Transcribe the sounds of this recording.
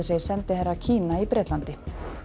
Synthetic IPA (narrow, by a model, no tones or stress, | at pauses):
sejsɛnt̪ɪhɛɾːacʰiːnaipɾɛːt̪lant̪ɪ